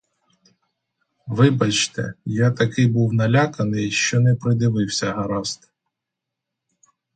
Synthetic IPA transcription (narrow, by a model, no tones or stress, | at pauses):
ʋɪbɐt͡ʃt̪ɛ̰jat̪ɐkɪjbuwnɐlʲakɐnɪjʃt͡ʃɔnɛpɾɪd̪ɪʋɪwsʲɐɦɐɾɑst̪